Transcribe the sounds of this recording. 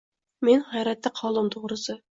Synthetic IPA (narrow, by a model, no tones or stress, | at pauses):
menhɑjɾɛt̪ʰːɛqʰɑlˠɨmt̪ʰoʁɾɨsɨ